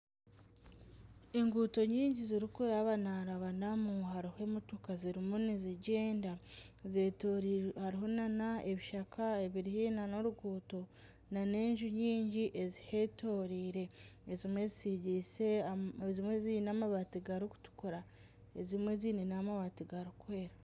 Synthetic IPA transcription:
eŋɡuːto̞ɲiːɲɟiziɾikuɾaβanaɾaβanamuɦaɾihoemutukaziɾimuniziɟe̞ːndaze | haɾiɦo̞nanae̞βiʃakʰaeβiɾihiːnano̞ɾuɡuːto̞ | nane̞ːɲʒuɲiːɲɟiʔezihe̞to̞ːɾiːɾe̞ezimwe̞zisiɟise̞zimwezinamaβatiɡaɾuku̥tu̥kuɾa | ezimwe̞ziːninamaβatiɡaɾukwe̞ːɾa

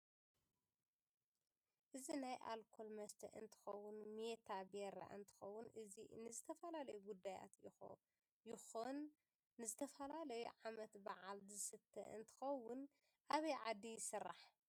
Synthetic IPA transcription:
ʔɨzinajʔa̰lkʰolmɐst̪ʰɐ̰ʔɨ̰nt̪ʰɨ̥xɐwʊnmet̪ʰabeɾa̰ʔɨ̰nt̪ʰɨ̥xɐwːʊnʔɨzinɨzɨt̪ʰɐfɐlalɐjuɡud̪ːaja̰t̪jɪo | jɪxonː | ɨzɨt̪ʰɐfɐlalɐjuʕamɐt̪baʕalzɨsɨt̪ʰːɐ̰ʔɨ̰nt̪ʰɨ̥xɐwʊn | ʔaβɐjʕad̪ːijɪsɨrːaħ

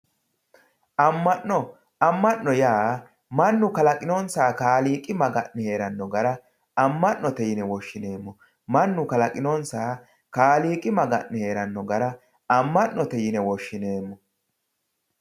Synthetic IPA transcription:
ʔɐmːɐnnɔ | ɐmːɐʔːɔjaː | mɐnːʊkɐlɐkʼɪnoːnsaːkaːliːkʼɪmɐɡɐʔnɛhe̞ːɾɐnːɔɡɐɾɐ | ɐmːɐnːɔt̪ɛjɪnɛwɔʃːɪneːmːɔ | mɐnːʊkɐlɐkʼɪnoːnsaː | kaːliːkʼɪmɐɡɐ̰ʔnɛhe̞ːɾɐnːɔɡɐɾɐ | ɐmːɐnnːɔt̪ɛjɪnɛwɔʃːɪne̞ːmːɔ

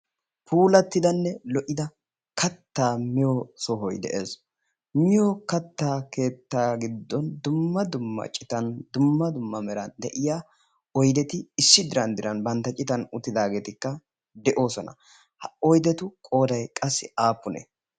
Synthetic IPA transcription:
pʰuːlɐt̪ːɪd̪ɐnːɛlɔʔɪd̪ɐ | kɐt̪ːaːmɪjosɔɦɔjd̪ɛ̰ʔe̞̰ːs | mɪjokɐt̪ːaːke̞ːt̪ːaːɡɪd̪ːɔnd̪ʊmːɐd̪ʊmːɐ̰t͡ʃʼɪt̪ɐnd̪ʊmːɐd̪ʊmːɐmɛɾɐnd̪ɛʔɪjaː | ɔjd̪ɛt̪ɪɪsːɪd̪ɪɾɐnd̪ɪɾɐnbɐnt̪ːɐt͡ʃʼɪt̪ɐnʊt̪ːɪd̪aːɡe̞ːt̪ɪkːɐ | d̪ɛʔo̞ːsɔnɐ̰ | hɐɔjd̪ɛt̪ʊkʼo̞ːd̪ɐjkʼɐsːɪaːpːʊnḛ

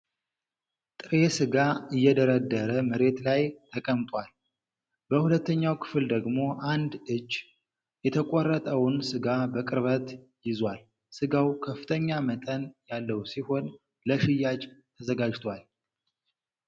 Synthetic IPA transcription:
t̪ʼɨɾe̞sɨɡaɨjːɛd̪əɾəd̪ːəɾəməɾe̞t̪lajt̪ʰəkʼəmt̪ʼwal | b̥əhulət̪ːəɲːawkʰɨ̥fɨld̪əɡmo̞ʔand̪ɨd͡ʒt͡ʃː | jɛt̪ʰəkʼɔrːət̪ʼəwʊnsɨɡabəkʼɨɾβət̪ | jɪzwal | sɨɡawkʰəfːɨt̪ʰəɲːamət̪ʼənjalːəwsiho̞n | ləʃɪjːad͡ʒt̪ʰəzəɡad͡ʒt̪ʰwal

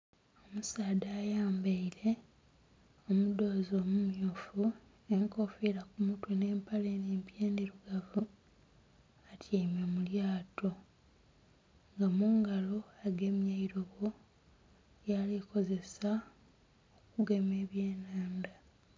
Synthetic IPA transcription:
o̞musaːdaːjaːmbeile̞ | omudo̞ːzoːmumjoːfu | eŋko̞fiɾakumutwene̞ːmpale̞neːmpjeːndiɾuɡavu | atʰjeːmemuljaːto | ŋɡamuːŋɡalo̞aɡe̞mjaiɾo̞ɡo̞ | jaliko̞ze̞sa | okuɡe̞me̞ːβje̞ːnaːnda

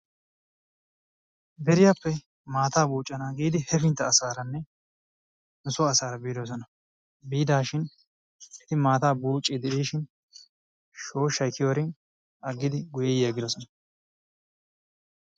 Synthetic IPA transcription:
bɛɾɪjapːɛ | maːt̪aːbuːt͡ʃʼːɐnaːɡiːd̪ɪhɛfɪnt̪ːɐːsaːɾɐnːɛ | nʊsʊːsaːɾɐbiːd̪os̬ɔnɐ | biːd̪aːʃɪn | ɛt̪ɪmaːt̪aːbuːt͡ʃʼːɪd̪ɛʔiːʃɪn | ʃo̞ːʃɐjkːɪjoːɾɪn | ɐɡːɪd̪ɪɡʊjɛjeːɡɪd̪ɔsɔnɐ

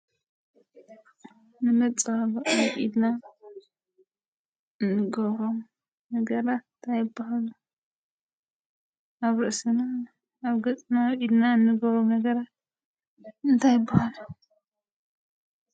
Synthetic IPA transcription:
nɨmɐt͡sʼaloʔwʔid̪na | ɨnːɨɡoɾom | nɐɡɐɾat̪nt̪ʰajɪbːahalu | ʔaβɾɐʔsɨna | aβɡɐt̪ʼnawʔid̪naɨnːɨɡoɾomnɐɡɐɾat̪ | ɨnt̪ʰajɪbːahalu

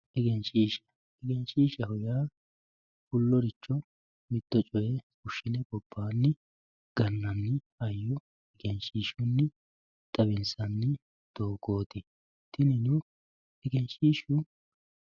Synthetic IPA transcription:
ʔɛɡɛnt͡ʃʼiːʃɐ̥ | ɛɡɛnt͡ʃʼiːʃɐhʊjaː | fʊlːɔɾɪt͡ʃːɔ | mɪt̪ːɔt͡ʃʼɔjɛkʊʃːɪnɛbɔb̥ːaːnːɪ | ɡ̥ɐnːɐnːɪ | ɐjːɔ | ɛɡɛnt͡ʃʼiːʃʊnːɪ | t̪ʼɐbɪnsɐnːɪ | d̪̥oːɡo̞ːt̪ɪ | t̪ɪnɪnʊ | ɛɡɛnt͡ʃʼiːʃʊ

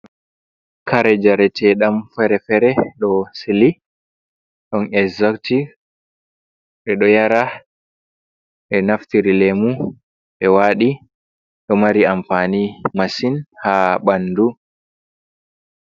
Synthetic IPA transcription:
kaɾɛd͡ʒaɾɛtʰɛɗamfɛɾɛfɛɾɛɗɔsili | ɗɔnɛkzɔkti | ɓɛɗɔjaɾa | ɓɛnaftiɾilemu | ɓɛwaɗi | ɗɔmaɾiamfanimasinhaːɓanːdu

